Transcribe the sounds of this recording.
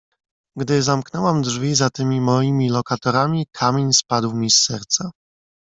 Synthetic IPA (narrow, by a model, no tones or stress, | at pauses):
ɡd̪ɘzamknɛwamd̪ʐvʲizat̪ɘmʲimɔjimʲilɔkat̪ɔɾamʲikʰamʲeɲspad̪wmʲisːɛɾt̪sa